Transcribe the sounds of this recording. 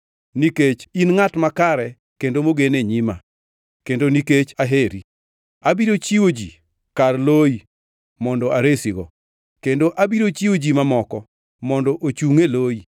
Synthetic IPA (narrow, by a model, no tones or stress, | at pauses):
niket͡ʃinŋatmakaɾɛ | kendomoɡeneɲima | kendoniket͡ʃaɦeɾi | abiɾot͡ʃiwod͡ʒi | karloi | mɔndɔaɾesiɡɔ | kendoʔabiɾot͡ʃiwod͡ʒimamɔkɔ | mɔndɔʔot͡ʃuŋeloi